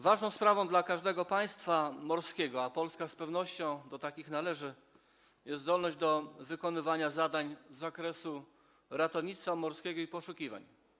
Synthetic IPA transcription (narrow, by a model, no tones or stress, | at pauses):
vaʐnɔ̃w̃spɾavɔ̃w̃d̪lakaʐd̪ɛɡɔpaj̃st̪famɔɾskʲɛɡɔapɔlskaspɛvnɔɕt͡ɕɔ̃w̃d̪ɔt̪akʲixnalɛʐɘ | jɛzd̪ɔlnɔʑd͡ʑd̪ɔvɘkɔnɘvaɲazad̪aɲzːakɾɛsu | ɾat̪ɔvɲit̪sfamɔɾskʲɛɡɔipɔʂukʲiva̰ɲ